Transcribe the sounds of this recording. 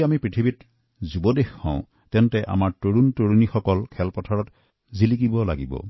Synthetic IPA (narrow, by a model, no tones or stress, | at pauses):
amipɹitʰibit | zubɔdexːã̰ʊ̃ | tɛntɛʔa̰maɹtoɹuntoɹunixɔkɔlkʰɛlpɔtʰaɹɔt | zilikibɔla̰ɡḭbɔ̰